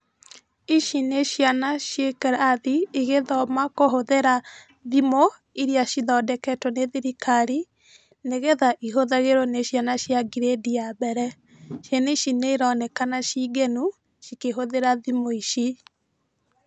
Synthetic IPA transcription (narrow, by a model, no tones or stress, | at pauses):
iʃineʃjanaʃjekɛɾaðiiɣeðɔmakoɦoðeɾa | ðimo | iɾjaʃiðɔdɛkɛtwɔneðiɾikaɾi | neɣeðaʔiɦoðaɣeɾɔneʃjanaʃjaɡiɾediabɛɾɛ | ʃjeneiʃineiɾɔnɛkanaʃiɡenu | ʃikeɦoðeɾaðimoiʃi